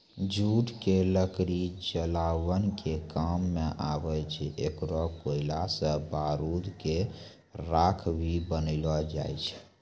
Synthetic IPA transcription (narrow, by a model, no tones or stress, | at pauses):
d͡ʒuʈkeləkɾid͡ʒəlawənkʰekamːeʔabət͡ʃʰekɾɔkoilasəbaɾud̪ke | ɾakʰbʱibənəɪlɔd͡ʒa̰jt͡ʃʰ